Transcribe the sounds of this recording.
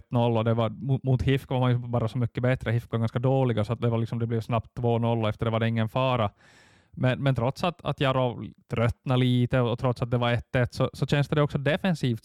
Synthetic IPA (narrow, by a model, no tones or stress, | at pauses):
t̪ːnɔlːɔd̪ɛvaɾmumuːt̪hɪfkvaɾmanjʉbɑːɾasɔmʏkːəbɛt̪ɾəhɪfkvaɾɡanskad̪oːlɪɡasɔat̪̚d̪ɛvaɾlɪksɔmd̪ɛblɛːvsnapt̪ʰːvoːnɔlːɔɛft̪əɖɛvaɖɛɪŋːənfɑːɾa | mɛnmɛnt̪ʰɾɔt̪sat̪a̰t̪jɑːɾot̪ʰɾœt̪ːnaliːt̪əɔɔt̪ʰɾɔt̪sat̪̚d̪ɛvaɾɛt̪ːɛt̪ːsɔsɔt͡ʃɛnst̪əd̪ɛɔksɔd̪ɛfɛnsiːft̪